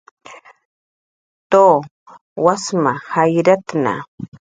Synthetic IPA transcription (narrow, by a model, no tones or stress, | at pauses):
t̪oː | wasmahajɾat̪na̰